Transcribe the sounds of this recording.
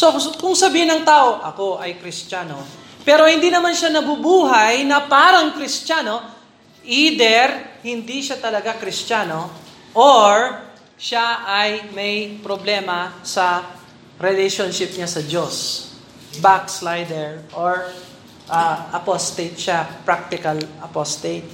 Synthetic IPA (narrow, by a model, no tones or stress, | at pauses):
sokʊŋsɐbiːhɪnɐŋt̪aːʔo̞ʔɐko̞ʔɐjkɾɪst͡ʃaːno | pɛːɾo̞hɪ̃nd̪inɐmanʃanɐbubuːɦɐjnɐpaːɾɐŋkɾɪst͡ʃano̞ | ʔid̪ɛɾhɪnd̪iʃat̪ɐlɐɡakɾɪst͡ʃano̞ | ʔoɹ | ʃaʔɐjmɐjpɾoblɛːmɐsɐ | ɾɛlɛʃonʃɪp̚ɲasɐd͡ʒos | bak̚slajd̪ɛɹʔoɹ | ʔɐʔɐpost̪et̪ʃapɾak̚t̪ɪkɐlɐpost̪et̪̚